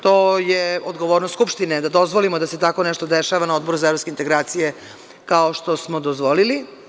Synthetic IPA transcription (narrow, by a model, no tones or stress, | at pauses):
t̪oːjeod̪ɡo̞ʋoːɾnost̪skupʃt̪ined̪ad̪o̞zʋolimod̪aset̪ako̞neʃt̪od̪eʃaʋanaod̪bo̞ɾuzaeɾoskeint̪eɡɾaːt̪sije | kaoʃt̪o̞smod̪ozʋolili